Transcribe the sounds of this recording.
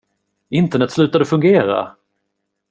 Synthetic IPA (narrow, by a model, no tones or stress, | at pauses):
ɪnt̪əɳɛt̪ːslʉ̟ːt̪ad̪əfɵŋɡeːɾa̰